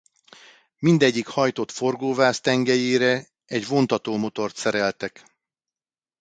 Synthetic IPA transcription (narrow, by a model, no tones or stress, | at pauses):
mind̪ɛɟːikhɒjt̪o̞t̪fo̞rɡoːvaːst̪ɛŋɡɛjeːɾɛ | ɛɟvo̞nt̪ɒt̪oːmo̞t̪o̞rt̪sɛɾɛlt̪ɛk